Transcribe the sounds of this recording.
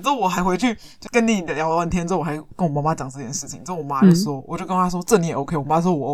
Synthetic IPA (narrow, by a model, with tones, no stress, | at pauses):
t͡s̩˥˧˩wɔ˨˩xa˧˥ɪxwe˧˥ɪt͡ɕʰy˥˩t͡ɕo˥˩kə˥ni˨˥ni˨˩d̪ə˦ljɑ˧˥ʊ˧˩˥nt̪ʰjɛ˥nt͡s̩˥˩˨xa˧˥ɪkə˥nwɔ˨˩ma˧˥ma˥t͡ɕjɑ˨˦ŋt͡sɤ˥˧˩t͡ɕjɛ˥˧˩nʂɻ̩˥˩t͡ɕʰi˨˦ŋt͡ɕwɔ˨˩ma˦˥jo˧˩so˧ʊwʔt͡ɕjo˥˩ʊknʰ˧a˥wɔ˥˧t͡sə˥˩ni˨˥˩jo˧˥ʊke˥ɪwɔ˨˩ma˥ɔ˥˩wɔ˨˩˧